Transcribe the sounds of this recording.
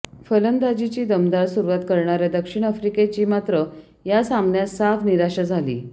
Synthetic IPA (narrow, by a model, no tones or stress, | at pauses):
fələnd̪ad͡ʑit͡ɕiːd̪əmd̪aɾsuɾʋat̪kəɾɳaɾad̪əkʂiɳ̃afɾiket͡ɕiːmat̪ɾə | jasamnjasafniɾaɕad͡zʱalḭː